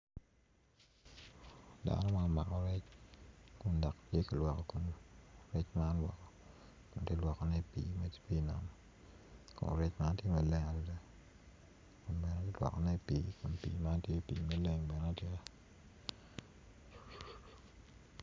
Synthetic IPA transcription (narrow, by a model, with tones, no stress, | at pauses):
da̰˨nɔ˦ma˦n˨ma̰˨kɔ˨ɾɛ˦t͡ʃ | kʊ˨ndɔ˨ktje˦ka˨lwɔ˨kɔ˨ku˨nɾɛ˦t͡ʃma˦nwɔ̰˨kɔ˨ | kʊ˨n˨tje˦lwɔ˨kɔ˨nɛ˦˨pḭ˨˦me˦ti̥˦pi˦˨na̰˨m | kʊ̰˨nɾɛ˦t͡ʃma˦ntje˦mɛ˨lɛ˦ŋa˨do˨de˦ | kʊ˨nbɛ˨nɛ˦te˦lwɔ̰˨kɔ˨nɛ˦˨piː˦kʊ˨npḭ˨ma˦ntje˦piː˨me˦le˨ŋbɛ˨nɛ˦tje˦